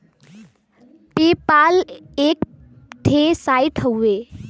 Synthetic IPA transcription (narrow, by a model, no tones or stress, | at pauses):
pepalek | ʈʰesajʈʰəwe